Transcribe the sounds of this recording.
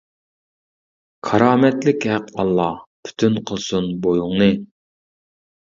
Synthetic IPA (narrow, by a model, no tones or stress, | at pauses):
kʰɑɾɑːmɛt̪lɪkʲhæqɑlˠːɑpʰy̥t̪ʰynqʰəlˠsunbojuŋnɨ